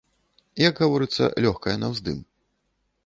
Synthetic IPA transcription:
jɐɡɣavɔɾɨt̪sːɐ̰lʲɔxkɐjɐnɐwzd̪ɨ̰m

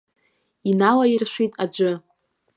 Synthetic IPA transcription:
inalairʃʷitʼad͡ʒʷɨ

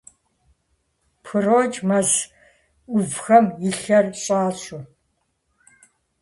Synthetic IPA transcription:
pʰɨroːd͡ʒmɐz | ʊvxɐmjɪɬɐrɕʼaːɕʼu

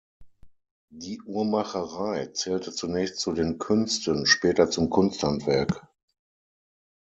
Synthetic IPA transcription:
diːʔuːɐmaχəʁaɪt͡sɛːltət͡sunɛːçstt͡sudeːnkʰʏnstənʃpɛːtɐt͡sʊmkʰʊnsthantv̥ɛɐk

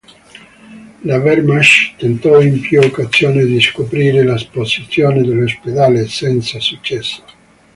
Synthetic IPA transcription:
lavɛɾmaʃt̪ent̪ɔimpjuokːazjoːned̪iskopɾiːɾelasposit̪sːjoːned̪elːosped̪aːlesɛnt̪sasut͡ʃːɛsːo̥

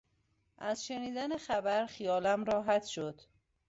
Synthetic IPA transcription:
ʔæzʃe̞niːd̪æne̞xæbæɾxijɒːlæmɾɒːɦæt̪ʰʃod̪̥

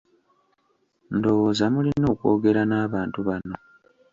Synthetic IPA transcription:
ndo̞wo̞ːzamulino̞ːkwo̞ːɡe̞ɾanaːβaːntuβano̞

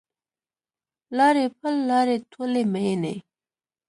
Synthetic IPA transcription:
lɑɾepʰəlːɑɾet̪ʰoleməjenḛ

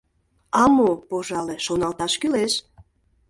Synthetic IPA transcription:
ɑmopoʒɑleʃonɑlt̪ɑʃkyleʃ

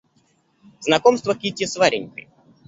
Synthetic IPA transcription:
znɐkomst̪vəkʲitʲɪsvaɾʲɪnʲkɨ̰j

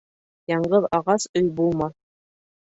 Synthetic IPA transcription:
jɑɴɢɤðɑʁɑsɵjbulˠmɑ

